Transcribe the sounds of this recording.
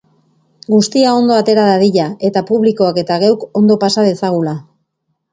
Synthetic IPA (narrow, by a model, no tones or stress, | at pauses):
ɡust̪iao̞nd̪o̞at̪e̞ɾaðaðiʎae̞t̪apuβliko̞ake̞t̪aɣawko̞nd̪o̞pasað̞e̞saɣ̞ula